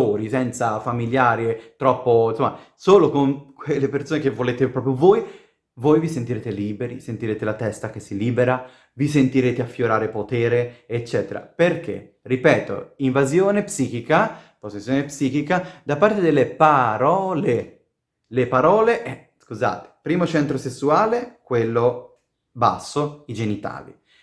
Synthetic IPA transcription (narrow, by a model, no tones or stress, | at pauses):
oːɾisɛnt̪safamiljaːɾet̪ɾɔpːonsomːa̰soːlokoŋkwelːepersoːnekevːoleːt̪epɾɔpɾjovoj | vojvisent̪iɾeːt̪eliːbeɾḭsent̪iɾeːt̪elat̪ɛst̪ak̟esːiliːbeɾa | visent̪iɾeːt̪eafːjoɾaːɾepot̪ɛːɾeːt͡ʃːɛːt̪eɾa̰perk̟ḛ | ripɛːt̪o̰iɱvazjoːnepsiːk̟ika | posesːjoːnepsiːk̟ikad̪apːaɾt̪ed̪elːepaɾɔːle | lepaɾɔːleʔɛ | skuza̰ːt̪e̥pɾiːmot͡ʃɛnt̪ɾosesːuaːlekwelːo | ba̰sːoid͡ʒenit̪a̰ːvḭ